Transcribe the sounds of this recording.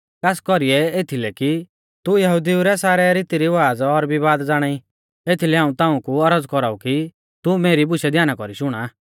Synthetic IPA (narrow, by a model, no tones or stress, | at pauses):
kaːskɔɾiɛeːt̪ʰilɛki | t̪ujɐɦud̪iuɾɛsaːɾɛɾɪt̪iɾiʋaːd͡zɔɾbiβaːd̪d͡zaːɽ̃ai | eːt̪ʰilɛɦaːũt̪aːũkuɐɾəd͡zkɔɾaːuki | t̪umeːɾibʊʃɛd̪ʱjaːnakɔɾiʃʊɽ̃aː